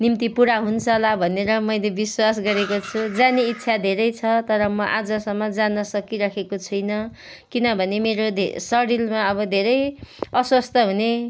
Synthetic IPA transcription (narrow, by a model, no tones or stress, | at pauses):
nimt̪ipuɽaɦunt͡sʰʌlabʱʌneɾʌmʌjlebiswas̬ɡʌɾekot͡sʰud͡zaneit̪ːsʰad̪ʱeɾʌjt͡sʰʌt̪ʌɾʌmʌʔad͡zʌsʌmːʌd͡zanʌsʌkiɾʌkʰekot͡sʰʌjnʌ | kinʌbʱʌnemeɾod̪ʱsʌɽilmaʌβʌd̪ʱeɾʌjʌswʌst̪ʰʌɦune